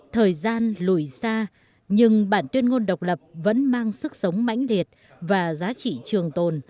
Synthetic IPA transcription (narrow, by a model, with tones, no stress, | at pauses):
t̪ʰəː˨˩jzaː˧nlu˧˩jsaː˧ | ɲɨ˧ŋɓaː˧˩nt̪wi˧ənŋo˧nɗə˨˩wk͡p̚lə˨˩p̚və̰˧˥nmaː˧ŋsɨ˦˥k̚sə˨˦wŋ͡mma̰˧˥jŋ̟li˨˩ət̚ | vaː˨˩zaː˨˦t͡ɕḭ˧˨t͡ɕɨ˨˩əŋt̪o˨˩n